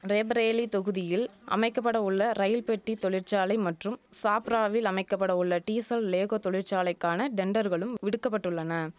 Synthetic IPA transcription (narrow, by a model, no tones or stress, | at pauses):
ɾebɾeːlit̪ɔɣɯðɪjɪlʔɐ̰mɐɪkːɐp̬ːɐɽɐʊɭːɐɾɐjɪlpɛʈːit̪ɔɭɪɾt͡ʃaːlɐɪmɐʈrɯmsaːpɾaːʋɪlɐmɐɪkːɐpːɐɽɐʊɭːɐʈiːsɐlleːɣoːt̪ɔɭɪɾt͡ʃaːlɐɪkːaːnɐɖɛɳɖɐɾɣɐɭɯmʋɪɽɯkːɐpːɐʈːɯɭːɐnɐ